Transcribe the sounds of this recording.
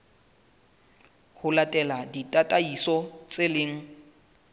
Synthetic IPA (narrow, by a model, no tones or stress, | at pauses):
hʊlatʼɛladitʼatʼaisɔt͡sʼɪlɪːŋ̩